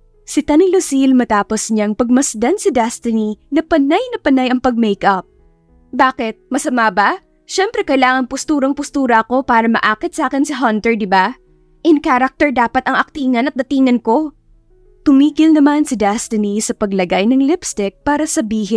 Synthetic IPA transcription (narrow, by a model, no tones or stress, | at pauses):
sɪt̪ɐnɪlosilmɐt̪aːposɲɐŋpɐɡ̚mɐsd̪ɐnsid̪ɛst̪ɪninɐpɐnajnɐpɐnajɐŋpɐɡ̚mɛjkʔɐp̚ | baːkɪt̪̚mɐsɐmaːbɐ | ʃɛmpɾɛkɐjlaːŋɐŋpʊst̪uːɾɐŋpʊst̪uːɾɐʔɐko̞paːɾɐmɐ̰ʔaːkɪt̪saːkɛnsɪɦɐnt̪ɛɹd̪ɪba | ʔɪnkaːɾɐk̚t̪ɛɹd̪aːpɐt̪ɐŋɐk̚t̪iːŋɐnɐt̪̚d̪ɐt̪iːŋɐnko̞ | t̪ʊmiːɡɪlnɐmansid̪ɛst̪ɪnisɐpɐɡlɐɡajnɐŋlɪpst̪ɪk̚paːɾɐsɐbiːɦɪn